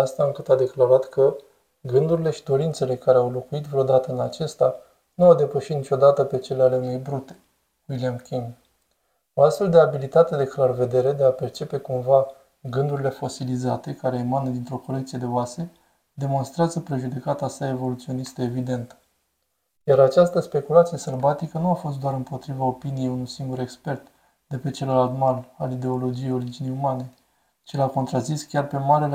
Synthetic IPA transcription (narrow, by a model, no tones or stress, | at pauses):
ast̪aɨŋkɨt̪ad̪e̞klaɾat̪kʰə | ɡɨnd̪uɾile̞ʃid̪o̞ɾint̪se̞le̞kaɾe̞awlo̞kuit̪vɾeod̪at̪əɨnat͡ʃe̞st̪a | nuawd̪e̞pəʃit̪nit͡ʃo̞d̪at̪əpe̞t͡ʃe̞leale̞une̞jbɾut̪e̞̥ | wilijamkʲiŋ | o̞ast̪fe̞ld̪e̞abilit̪at̪e̞d̪e̞klarve̞d̪e̞ɾe̞d̪e̞ape̞rt͡ʃe̞pe̞kumva | ɡɨnd̪uɾʲile̞fo̞silizat̪e̞kaɾe̞ːmanəd̪int̪ɾo̞ko̞lekt̪sije̞d̪e̞oase̞ | d̪e̞mo̞nst̪ɾeazəpɾeʒud̪e̞kat̪asae̞vo̞lut̪sio̞nist̪eevid̪e̞nt̪ə | jaɾat͡ʃast̪əspe̞kulat̪sijeselbat̪ikənuafo̞st̪d̪oaɾɨmpo̞t̪ɾivao̞pinije̞junujsiŋɡuɾe̞kspe̞rt̪ | d̪̥e̞pet͡ʃe̞lolalt̪malalid̪e̞o̞lo̞d͡ʒije̞jo̞ɾid͡ʒinejumane̞ | t͡ʃilako̞nt̪ɾaziskʲarpe̞maɾel